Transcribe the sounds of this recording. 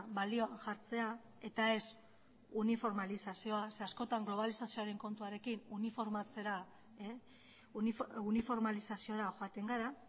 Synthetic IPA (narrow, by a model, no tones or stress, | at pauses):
balio̞anʝaɾt͡se̞a | e̞t̪ae̞s | unifo̞ɾmalisasio̞ase̞asko̞t̪aŋɡlo̞β̞alisasio̞aɾe̞ŋko̞nt̪uaɾe̞kinunifo̞ɾmat͡se̞ɾa | unifo̞ɾmalisasio̞ɾaxo̞at̪e̞ŋɡaɾa